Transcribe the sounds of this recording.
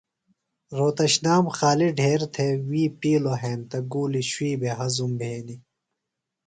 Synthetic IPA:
ɾoːt̪ɐɕnaːmxaːliɖʱeːɾt̪ʰewiːpiːloɦeːnt̪ɐɡuːliɕwiːbʱeɦɐzumbʱeːni

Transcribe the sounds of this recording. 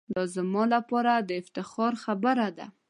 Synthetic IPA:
d̪ɑzəmɑlapɑɾad̪əɪft̪ɪxɑɾxabəɾad̪a̰

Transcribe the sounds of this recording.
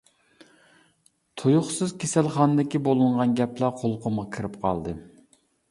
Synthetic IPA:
t̪ʰojʊχsɨzkʲʰesɛlχɑnɨd̪ɪkʲibolˠɨɴʁɑnɡʲɛplˠɑqʰolˠqʰʊmʁɑkʲʰɨɾɪpqʰɑ̰lˠd̪ɨ

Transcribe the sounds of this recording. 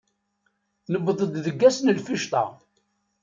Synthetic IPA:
nəbðˤəd̪ðəɡːæsnəlfiʃt̪ˤɑ̰

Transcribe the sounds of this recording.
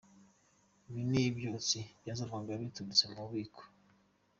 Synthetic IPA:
βinebjot͡sibjazavaŋɡaβitunit͡semuβiːkʰo̥

